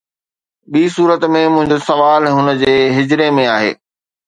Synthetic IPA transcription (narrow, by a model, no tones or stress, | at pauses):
ɓiːsuːɾət̪mẽmʊ̃ɦɪ̃ɲd͡ʑosɐʋaːlɦʊnə̆d͡ʑeːɦɪd͡ʑɾemẽaːɦḛː